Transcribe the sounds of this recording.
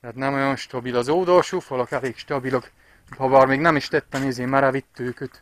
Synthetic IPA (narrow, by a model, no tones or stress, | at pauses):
t̪aːt̪nɛmojonʃt̪ɒbilɒzoːd̪olʃuːfɒlɒkaveːkʃt̪ɒbilok | pɒbɒːrmeːɡnɛmiʃt̪ɛt̪ːɛmizeːmaɾavit̪ːøːkøt̪